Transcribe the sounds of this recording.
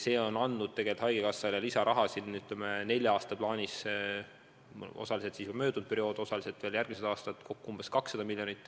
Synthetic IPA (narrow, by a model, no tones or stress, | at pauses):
se̞ːo̞nɑnd̪ud̪̥̚t̪eɡe̞lit̪hɑjɡ̥ekɑsːɑlɑlisɑɾʔɑɦɑsinːyt̪ˑlemene̞lʲjɑɑːst̪ɑplɑːnʲis | o̞̰sɑlise̞t̪sismø̞ːd̪̥und̪̚pe̞ɾio̞ːd̪̥o̞sɑliset̪ve̞ːljærɡ̥mised̪ɑːst̪ɑt̪ːˑkʰo̞kːuumb̥e̞skɑksːɑd̪ɑmilʲjo̞nit̪ːˑ